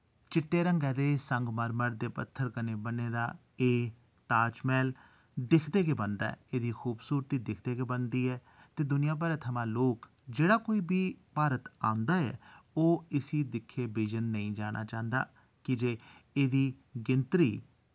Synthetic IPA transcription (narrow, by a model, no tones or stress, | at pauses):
t͡ʃɪʈːeːɾəŋɡɛːd̪eːsəŋɡməɾməɽd̪eːpət̪ʰːəɾkəneːbəneːd̪a̰ː | eː | t̪aːt͡ʃmɛːl | d̪ɪkʰd̪eːɡeːbənd̪a̰ːɛ̰eːd̪iːkʰuːbsuːɾt̪iːd̪ɪkʰd̪eːɡebənd̪iːɛː | t̪eːd̪ʊnɪjãːp̬aːɾət̪ʰːəmãːloːk | d͡ʒeːɽaːkoːiːbiːpaːɾət̪a̰ːʊ̃nd̪aːɛ̰ːoːɪsiːd̪ɪkʰːeːbiːd͡ʒənːəĩːd͡ʒaːɽ̃ʔa̰ːt͡ʃaːnd̪a̰ː | kɪd͡ʒeːeːd̪iː | ɡɪnt̪ɾḭː